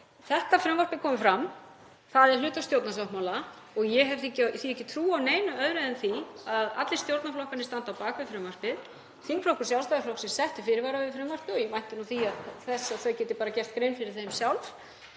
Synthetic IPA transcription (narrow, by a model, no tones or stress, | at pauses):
θɛht̪afɾʏːmaɾ̥pɪkʰɔːmɪfɾam | θaðɛɾ̥lʏːt̪ast̪jowt̪naslawhmaːwla | ɔɣjɛɦɛvɛcθiɛhcːɪt̪ʰɾuːawneːjnʏœðɾeðɪnθiaða̰t̪lɪ̥st̪jowɾt̪naflɔhkanɪst̪ant̪awpaːkvɪfɾʏmvar̥pɪð | θinflowkʏɾ̥sjawlst̪aɣaflɔwhksɛmsɛht̪ʏ̥fɪɾɪɾvaːɾavɪfɾʏːmvar̥pɪɔjɛmajn̥t̪ɪnuθiaðθɛsːaðθœɥcɛt̪ɪpaːɾacɛr̥t̪̚kɾejnfɪɾɪɾ̥θejmsjawlf